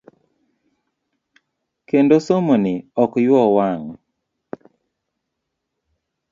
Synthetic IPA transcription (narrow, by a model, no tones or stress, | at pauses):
kendosomonɪɔkjwɔwaŋ